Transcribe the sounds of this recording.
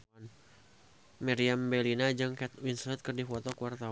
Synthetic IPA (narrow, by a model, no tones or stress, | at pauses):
n | miɾiambɛlinad͡ʒɨŋkɛt̪winslɛt̪̚kɨrdifɔt̪ɔkuwart̪a